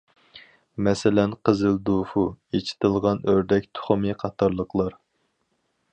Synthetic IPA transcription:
mɛsɪlɛnqʰəzɨld̪ufuet͡ʃʰɪ̥t̪ʰɨlˠʁɑnøɾd̪ɛkʲt̪ʰʊ̥χʊmɨqʰɑt̪ʰɑɾlˠəqlˠɑɾ

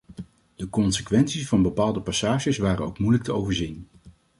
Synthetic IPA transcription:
d̥əkɔnsəkʋɛntsisfɑnbəpaːlˠdəpɑsaːʒəsʋaːrənowkmujlək̚təowvəɹzin

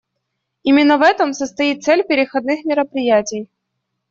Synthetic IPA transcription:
imʲɪnːəvɛt̪əmsəst̪ɐit̪t̪sɛlʲpʲɪɾʲɪxɐd̪nɨxmʲɪɾəpɾʲɪjætʲɪj

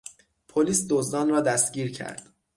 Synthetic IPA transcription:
pʰoliːsd̪ozd̪ɒːnrɒːd̪æst̪̚ɟʲiːɾcʰæ̰ɾd̪̥

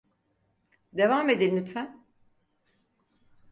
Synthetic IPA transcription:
d̪e̞vaːme̞d̪ilnyt̪fæn

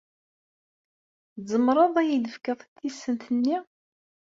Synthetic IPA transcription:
zəmɾˤɑðˤæjiləfkəθˤt̪ːisːənt̪ənːi

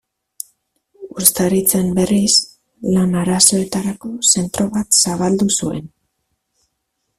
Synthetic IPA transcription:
ust̪aɾit͡se̞mbe̞ris | lanaɾaso̞e̞t̪aɾako̞se̞nt̪ɾo̞βat̪saβald̪usue̞̰n

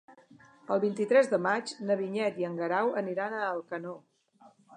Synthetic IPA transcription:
əlˠβint̪it̪ɾɛzðəmat͡ʃnəβiɲɛt̪iəŋɡəɾawəniɾanəːlˠkəno

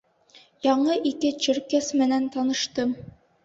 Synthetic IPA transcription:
jɑɴɤʔikɘt͡ɕɘ̆ɾkesmɘ̆nænt̪ɑnɤ̆ʃt̪ɤm

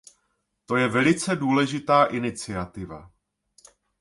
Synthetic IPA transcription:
t̪o̞jɛvɛlɪt͡sɛduːlɛʒɪt̪aːʔɪnɪt͡sɪat̪ɪva̰

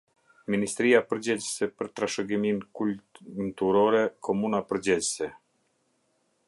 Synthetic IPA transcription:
minist̪ɾiapəɾd͡ʑɛlsɛpəɾt̪ɾaʃəɡiminkulnt̪uɾɔɾɛkʰɔmunapəɾd͡ʑɛd͡ʑsɛ

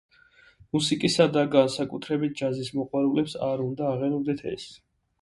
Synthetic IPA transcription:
musikʼisad̪aɡansakʼut̪ʰɾɛbit̪̚ʰd͡ʒazismɔqʼwaɾulɛpsaɾund̪aːʁɛnud̪ɛt̪ʰɛ̰s

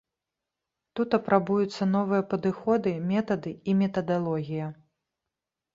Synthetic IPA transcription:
t̪ut̪ɐpɾabujut̪sːɐnɔvɨjɐpɐd̪ɨxɔd̪ɨmʲɛt̪ɐd̪ɨimʲɛt̪ɐd̪alˠɔɣʲijɐ

